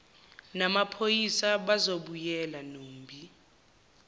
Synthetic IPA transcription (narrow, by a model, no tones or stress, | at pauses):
namapʰojisaɓazoɓujɛlanoːm̩bʱi